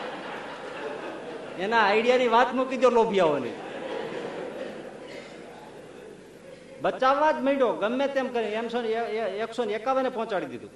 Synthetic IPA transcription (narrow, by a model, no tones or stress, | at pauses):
enaːɪɽijaniʋat̪mukid̪jolobʱijaonḭ | bət͡ʃaʋːãd͡ʒ̪məiɖoɡəmːẽt̪emkəɾĩemsoneksonekaʋənepɔɦɔ̃t͡ʃaɽid̪id̪ṵ̃